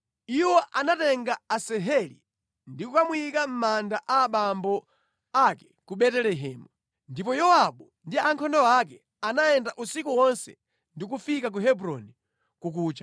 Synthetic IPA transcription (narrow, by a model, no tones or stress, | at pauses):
iwɔʔanatɛŋɡaːsɛɦɛlḭ | ndikukamuikam̩mandaʔaːɓambɔ | akɛ̥kuɓɛtɛlɛɦɛːmu | ndipɔjɔwaɓu | ndiaŋkʰɔndɔak̬ɛ | anajɛndaʔusikuwɔnsɛ̰ | ndikufikak̬uɦɛbɾɔni | kuk̬uːt͡ʃa